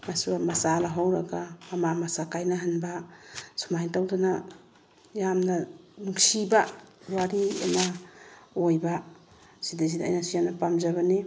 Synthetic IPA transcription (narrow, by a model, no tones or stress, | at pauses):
masuamasalaɦawɾaɡaːmamasakajnaɦanbasumajtawdana | jamnanuksibaɾaɾia̰na | ojba | sidaz̬ida̰jnasijanapamzaβane